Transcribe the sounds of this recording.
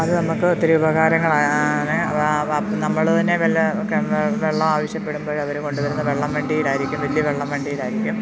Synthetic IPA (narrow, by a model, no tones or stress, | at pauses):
ɐðɨnɐmukːɨot̪ːiɾeubɐɣaːɾɐŋːɐɭajne | nɐmːɐɭt̪ɐnːeʋeɭokːeʋeɭːɐmaːʋɐɕjɐpːe̞ɽumbo̞ːɭɐʋɐɾuko̞ɳɖuʋɐɾunːɐʋeɭːɐmʋeɳɖijiɽaːjiɾikʲːumʋɐlijɐʋeɭːɐmʋeɳɖijilaːjɾikʲːum